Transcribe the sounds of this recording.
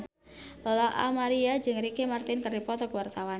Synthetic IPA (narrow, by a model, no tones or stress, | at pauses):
lɔlaʔa̰maɾiad͡ʒɨŋrikemart̪ɪnkərdipɔt̪ɔkəwart̪awan